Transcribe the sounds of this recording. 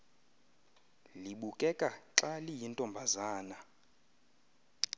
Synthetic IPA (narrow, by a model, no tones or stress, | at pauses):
liɓukʼɛkʼaǁalijintʼɔmbʱazaːna